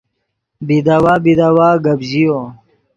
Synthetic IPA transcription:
bid̪awabid̪awaːɡəbʑijo

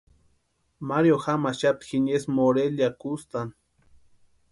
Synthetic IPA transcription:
maɾjoxamaʃat̪xiɲesmoɾeljakust̪an

